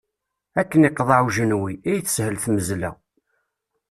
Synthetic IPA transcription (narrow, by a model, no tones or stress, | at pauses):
ækːəniqːðˤɑʕuʒənwiæjθə̥shəlθməzlæ̰